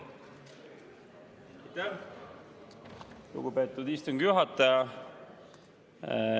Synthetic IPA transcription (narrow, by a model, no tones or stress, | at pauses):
t̪æ | lṵɡ̥upe̞t̪ːˑud̪ist̪oŋɡjuɦɑt̪ːˑɑjɑ